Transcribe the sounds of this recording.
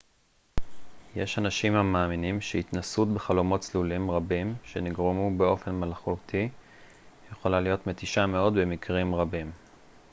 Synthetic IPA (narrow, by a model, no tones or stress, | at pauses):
jeʃhanaʃimhamaːminimʃeit̪nasutbeχalomo̞tt͡slulimʁabimʃe̞niɡʁemubeo̞fe̞nmalχutʰi | jeχo̞lalijo̞t̪me̞t̪iʃame̞o̞d̪bemikʁimʁabim